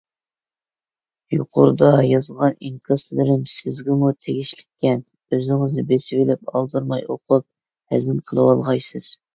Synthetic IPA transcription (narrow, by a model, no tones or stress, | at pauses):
jṵqʰʊ̰ɾd̪ɑjɑzəlˠʁɑniŋkʲʰɑslɪɾɪnsɪzɡʲɪmut̪ʰeɡʲiʃlɪkʲːɛn | øzɪŋɪznɪbesɪvɪlɪp̚ɑ̰lˠd̪ɨɾmɑjoqʰʊp̚ | hæ̰zɪmqʰəlˠɨwɑlˠʁɑjsɨz̥